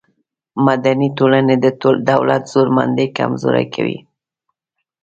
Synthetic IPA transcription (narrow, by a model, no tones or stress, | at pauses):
mad̪anitolaned̪əd̪awlat̪z̥oɾma̰nd̪ejka̰mzoɾa̰jkʰawḭ